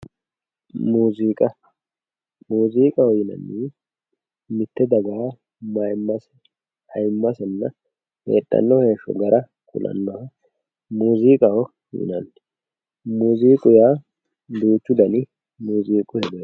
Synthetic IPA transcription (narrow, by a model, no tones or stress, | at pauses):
muːziːkʼɐ | muːziːkʼɐwɔjɪnɐ̰nːi | mɪt̪ːɛd̪ɐɡaː | mɐjmːɐs | hɐjmːɐsɛnːɐ | hḛːɗʼːɐ̰nːɔheːʃɔ̰ɡɐɾʔɐ | kʰʼʊ̰lʔɐ̰nːɔhɐ | muːziːkʼɐwɔ | jɪ̰nɐnː | muːziːkʼʊjaː | d̪uːt͡ʃːʊd̪ɐnɪ | muːziːkʼʊhɛd̪ɛ